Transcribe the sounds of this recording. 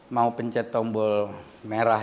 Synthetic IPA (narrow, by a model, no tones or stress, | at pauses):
maupəɲt͡ʃɛt̪ɔmbɔl | meɾa